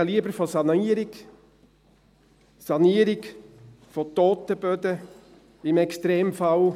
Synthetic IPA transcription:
liəbəɾfɔsɑniːəɾɪɡ | sɑniəɾɪɡ | fot̪oːt̪əb̥ød̪ə | ɪmɛkstɾeːmfɑl

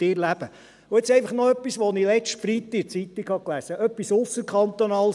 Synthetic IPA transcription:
ɪɾlæb̥ə | ʊɛt͡sɛɪfɑχnɔœpːisʋonilɛt͡ʃtfɾit̪ːɪt͡sit̪ːikhɑklæsəʔœpːisʊsːəɾkχɑnt̪onɑːl

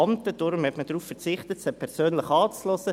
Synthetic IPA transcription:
ɑnt̪əd̥ʊɾmhɛtmədɾuːffəɾt͡sɪχt̪ətsəpʰɛɾsøːnləχɑːt͡slɔsə

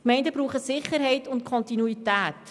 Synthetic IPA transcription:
kmɛɪndəbɾuːχəsɪχəɾɦɛɪtʊnt̚kʰɔntinuitæːt

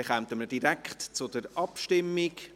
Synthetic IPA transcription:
ɛχɛmt̪əməd̥iɾækχtt͡sʊdəɾʔɑpʃtɪmːik

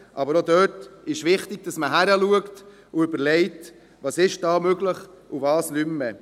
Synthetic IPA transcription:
ʔɑbəɾod̪øːtɪʃʋɪχtɪɡ̚dɑsməɦæɾəluəkt | ʊʏbəɾlɛɪt | vɑsɪʃd̥ɑːmøɡləχ | uvɑːslymːə

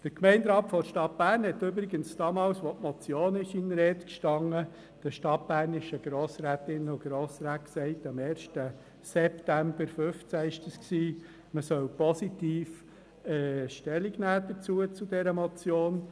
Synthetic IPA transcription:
d̥əɾkmɛɪndɾɑːtfɔʃtɑt̚b̥æːɾnhɛtøbɾɪɡənsd̥ɑːmɑːlsʋɔtmɔt͡sjoːnɪʃɪnɾɛtkʃtɑŋːə | d̥əʃtɑt̚b̥æːɾnɪʃəɡ̥ɾoːsɾæːt̪ɪnʊɡ̥ɾoːsɾæːt̚ksɛɪtɑmeːɾʃtə | sɛptæmb̥əɾfʏft͡sæɪʃdəsksiː | məsœwpɔsitiːf | ɛːʃtɛliɡnæːd̥̪əɾt͡suət͡sudɛɾəmɔt͡sjoːn

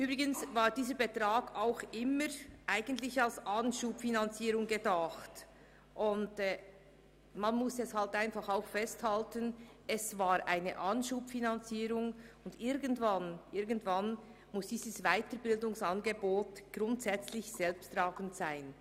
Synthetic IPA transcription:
ʔyːbɾɪɡənsvaːɾdiːzəɾbɛtʁaːɡaʊxɪməɾʔaɪɡ̥ən̩tlɪçalsʔanʃuːpfinant͡siːɾʊŋɡedaχt | ʔʊnd | manmʊsɛshaltaɪnfɑχaʊxfɛsthaltən | ɛsvaːɾʔaɪnə̰ʔɑnʃuːpfinant͡siːɾʊŋʊndɪɾɡəntvanʔɪɾɡən̩tvan | mʊsd̥iːzəsvaɪtəɾbɪldʊŋsɑnɡeboːtɡ̥ʁɾʊntsɛt͡slɪçz̥ɛlpstraːɡn̩tsaɪn

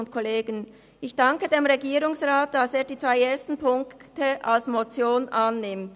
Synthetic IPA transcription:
ʊntkʰoleːɡən | ɪçd̥ɑŋkədeːmʁeɡiːʁʊŋsʁaːt̚d̥aseːɐdiːt͡sv̥aɪeːɐstn̩pʰʊŋktəʔalsmot͡sjoːnʔanːɪmt

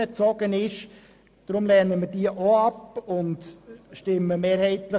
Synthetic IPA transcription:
ət͡sɔɡ̥ənɪʃ | d̥ɾʊmlɛnəmədiəʔɔɑpʊntʃtɪmːəmeːɾhɛɪt̪lə

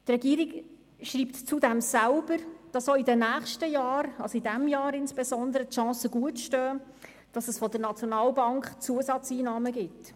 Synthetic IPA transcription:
trɛɡiːɾik | ʃriːptt͡sudɛmsælb̥əɾd̥ɑsoidənæːχʃtəjɑːɾɑlsoidɛmjɑːɾɪnspesɔndəɾətʃɑ̃ːsəɡ̥uətʃtœː | d̥ɑsəsfɔdəɾnɑt͡sjɔnɑːlbɑŋkχt͡suəzɑt͡siːnɑːməɡɪt

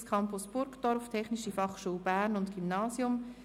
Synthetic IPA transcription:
skʰɑmpʊsb̥ʊɾkd̥ɔɾftʰɛχniʃifɑχʃuːlbæːɾnʊntɡ̥imnɑːsjʊm

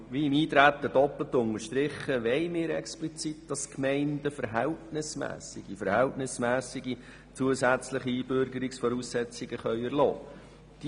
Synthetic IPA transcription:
ʋiːimiːt̪ɾæt̪ːədɔpl̩tːʊŋəɾʃt̪ɾɪχːəʋɛɪmɪːɾɛ̰ksplit͡sit̚d̥ɑskmɛɪndəfəɾɦæltnɪsmæ̰ːsɪɡ̥ifəɾhæltnɪsmæːsɪɡi | t͡suəsæt͡sləχiiːbøɾɡəɾɪksfɔɾuːsːɛt͡sɪɡ̥əχœʏɛɾlɔ̰ː | d̥i

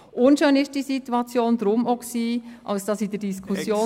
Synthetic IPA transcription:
ʔʊnʃøːnɪʃd̥iːsituɑt͡sjoːndɾʊmoksiːʔɑ̰lsd̥ɑsidəɾd̥iskʰusjoː

